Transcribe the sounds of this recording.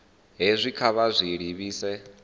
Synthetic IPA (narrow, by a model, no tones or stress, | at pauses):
ɦezʷikʰaβazʷiɺiβiːsɛ